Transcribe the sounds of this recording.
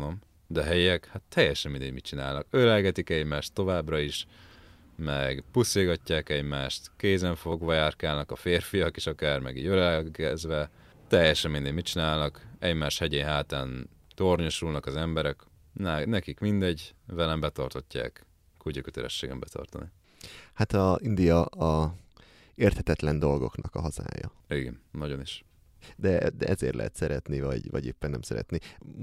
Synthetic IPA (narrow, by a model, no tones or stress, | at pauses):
nom | d̪ɛɦɛjɛkhat̪ʰːɛjɛʃɛmind̪ɛɟmit͡ʃina̰ːlnɒkøɾɛlɡɛt̪ikɛɟmaːʃt̪ːo̞vaːbrɒiʃ | mɛɡpuseːɡɒcːaːkɛɟmaːʃt̪keːzɛɱfoɡʋɒjaːrkaːlnɒkɒfeːrfijɒkeːʃɒkaːrmɛ̰ɡḭːɟøɾɛɡɛzʋɛ | t̪ɛjɛʃɛmmind̪ɛɟmitt͡ʃinaːlnɒkɛɟmaːʃhɛɟeːɲɦaːt̪aːn | t̪orɲoʃulnɒkɒzɛmbɛɾɛk | nnɛkikmind̪ɛɟvɛlɛmbɛt̪ɒrt̪o̞cːa̰ːk | kuɟikøt̪ɛɾɛ̰ʃːeːɡɛmbɛt̪ʰɒ̰rt̪ɒ̰ni | hat̪ɒind̪ijɒɒ | eːrt̪hɛt̪ɛt̪lɛnd̪o̞lɡo̞knɒkɒɦɒza̰ːjɒ̰ | iɡɛ̰nnɒɟoniʃ | d̪ɛd̪ɛʔɛzḛːrt̪lʔɛ̰ɦɛ̰t̪sɛɾɛt̪nivɒɟvɒ̰ɟḛːpːɛnːɛmsɛɾɛ̰t̪ni